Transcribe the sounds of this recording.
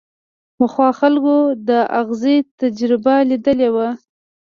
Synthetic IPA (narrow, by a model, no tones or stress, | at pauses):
pəxwɑxalkod̪əʔaɣzet̪ad͡ʒɾɪbalid̪əlewa